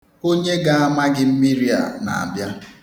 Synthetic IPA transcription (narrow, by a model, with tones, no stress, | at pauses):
o˦ɲe˦ɡa˦a˦ma˦ɡɪ˦m̩˦mi˦ɾi˦a̰˨na̰˨a̰˨bja˦